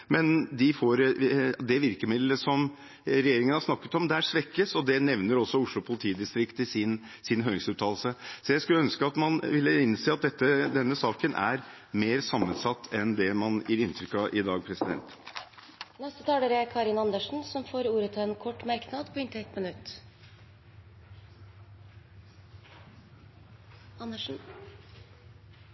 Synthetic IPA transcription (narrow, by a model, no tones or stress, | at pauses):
mɛnd̪ɪfoːɾd̪ɛʋɪɾkəmɪd̪ləsɔm | ɾɛjeːɾɪŋənhɑʂsnɑkːət̪ɔmd̪ɛæʂʋɛkːəsɔd̪ɛnɛʋnəɾɔsːɔʊʂɭʊpʰʊlɪt̪ʰiːd̪ɪst̪ɾɪkt̪ɪsɪn | sɪnɦøːɾɪŋsʉːt̪ʰːɑːlsəsɔjæɪskʉlːəœnskəɑt̪mɑnʋɪlːəɪnseːɑt̪̚d̪ɛt̪ːəd̪ɛnːəsɑːkənʔæ̰ɾ | meːɾsɑmːənsɑt̪ːɛnd̪ɛmɑnjɪɾɪnːt̪ʰɾʏkːɑʔɪd̪ɑːɡpʰɾɛsɪd̪ɛ̰nt̪ | nɛst̪ət̪ʰɑːləɾəkʰɑːɾɪnɑnd̪əʂn̩sɔmfoːɾuːɾət̪ʰlɛːnkʰɔʈːmæɾknɑd̪pʰɔɪnt̪ɛt̪ːmənʉt̪ː | ɑnd̪əʂn̩